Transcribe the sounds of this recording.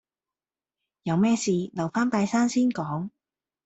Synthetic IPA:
jɐ˨˧wmɛː˥siː˨˧lɐ˨˩wfaː˥nt̪aː˧jsaː˥nsiː˥nkɔː˨˥ŋ

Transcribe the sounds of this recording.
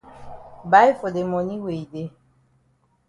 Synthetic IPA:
ba˨˦jfo˨de˨mɔ˨ni˦we˨i˨de˦

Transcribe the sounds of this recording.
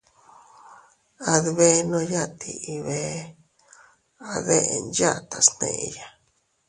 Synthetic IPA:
a˧ðβe˦nõ˧ja˦t̪i˧ʔi˧βe˦ | a˧ðe˦ʔe˧nd͡ʒa˦˨t̪a˨snḛ̃˧˨ʔe˧ja˨

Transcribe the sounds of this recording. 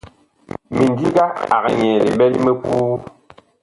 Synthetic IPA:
mi˨n˨di˦ɡa˦a̰˨ɣɛ˨ɲɛ˨le˨ɓɛ˦li˦me˦ku˦

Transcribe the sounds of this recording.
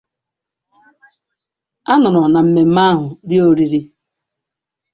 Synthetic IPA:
a˦nʊ˨ɾɔ˨na˨m̩˨me˨m̩˦ma˦ɦʊ˨djo˦ɾi˦ɾi˦

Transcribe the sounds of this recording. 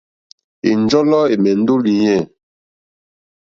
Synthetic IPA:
ḭ˨n˦d͡ʒɔ˦lɔ˦e˨mɛ˨n̩˦do˦li˨ɲɛ˦˨

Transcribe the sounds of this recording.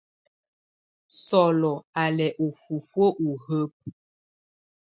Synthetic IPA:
sɔ˨lɔ˨a˨lɛ˨ʔu˨fu˨fwo˦ʔu˨hə˦p̚

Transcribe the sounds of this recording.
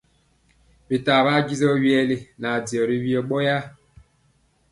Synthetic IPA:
bi˨ta˨βa˦ɡi˦zɔ˦wi˦ɛ˦li˦na˨di˨ɔ˨ɾi˦βi˦ɔ˨ɓɔ˦ja˦

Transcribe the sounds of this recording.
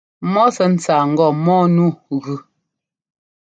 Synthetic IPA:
mɔ˦sɛ˨n̩˦t͡saː˨ŋ̩˨ɡɔ˨mɔː˦nu˦˨ɣʉ˦

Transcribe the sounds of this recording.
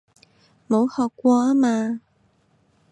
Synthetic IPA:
mo˨˧˥whɔː˨kːʷɔː˧aː˥maː˧

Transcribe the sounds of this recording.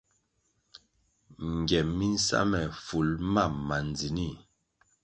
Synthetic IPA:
ŋ˨ɡjɛ˨mːi˦n̩˦sa̰˦mɛ˨fu˨lma˦˨ma˨nd͡zi˨ni˦˨

